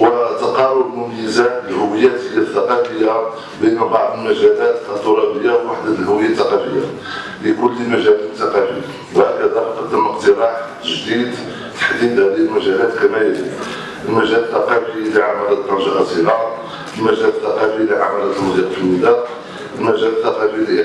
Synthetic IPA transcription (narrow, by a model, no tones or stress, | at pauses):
wət̪ɑqɑɾˤʊbmʊməjəzaəlhʊwəjæt̪əjːaθːɑqɑfəjːa | bəjnabɑʕd̪ˤəlmæʒælæt̪ʔæt̪uɾˤɑbəjːawwaħd̪aəlhʊwəjːat̪ːɑqɑfəjːa | likʊlːimæʒælt̪ːɑqɑfə | wæʔkæd̪ɑɾˤqəd̪ːəməqt̪əɾˤɑħt̪ːəʒd̪id̪ | t̪ḁħd̪id̪hæd̪ihəlmæʒælæt̪kæmæjæli | əlmæʒælət̪ːɑqɑfiliʕamælæt̪ˤːɑnʒɑʔæt̪iɾɑ | əlmæʒælət̪ːɑqɑfiliʕamælæt̪məd̪iqfəlmid̪æ | əlmæʒælət̪ːɑqɑfili